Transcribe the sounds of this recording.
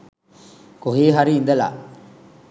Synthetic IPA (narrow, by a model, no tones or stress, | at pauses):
koɦiːɦaɾiːnd̪ɐla̰ː